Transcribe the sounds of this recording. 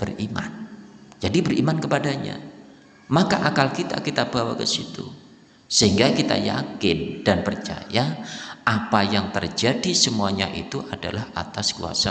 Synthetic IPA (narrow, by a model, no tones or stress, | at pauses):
b̥ərimand͡ʒadibərimankəpadaɲa̰ | makaʔakalkit̪a̰kit̪ab̥awa̰kə̰sit̪u | səɦiŋɡakit̪a̰ja̰kɪnd̥anpərt͡ʃa̰jaapajaŋt̪ərd͡ʒadisəmuaɲaʔḭt̪uʔada̰laha̰t̪askua̰sa